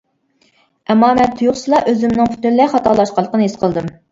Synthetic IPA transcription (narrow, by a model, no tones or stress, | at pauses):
ɛmːɑːmɛt̪ʰːujuχsɨlˠɑʔøzymnɨŋpʰy̥t̪yɾlæχɑt̪ʰɑɾlˠɑʃqɑlˠːəqʰənɨɦesqʰəlˠd̪ɨm